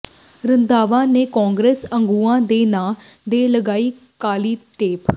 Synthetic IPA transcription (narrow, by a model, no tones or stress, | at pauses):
ɾənd̪aːʋãːneːkɔːŋɡɾeːsəŋɡuːãːd̪eːnaːd̪eːləɡaːiː | kaːliːʈeːp